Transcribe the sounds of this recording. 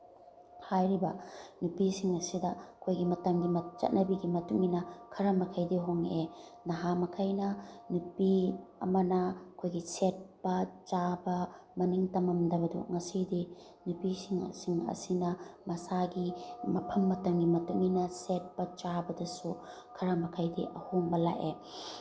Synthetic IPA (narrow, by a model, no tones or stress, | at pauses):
hajɾibɐnupisiŋɐsidɐkʰojɡimɐtɐmɡimɐt͡ʃɐ̰t̚nɐbiɡimɐtuŋinɐkʰɐɾɐmɐkʰɐjdiɦoŋe | nɐɦamɐkʰɐjnɐnupiɐ̰mɐnɐkʰojɡiset̚bɐt͡ʃabɐmɐniŋtɐmɐmdɐbɐdṵŋɐsidi | nupisiŋ̰siŋɐ̰sinɐmɐsaɡimɐpʰɐmːɐtɐmɡimɐtuŋinɐset̚b̥ɐt͡ʃabɐdɐsu | kʰɐɾɐmɐkʰɐjdiʔɐhoŋbɐla̰ʔe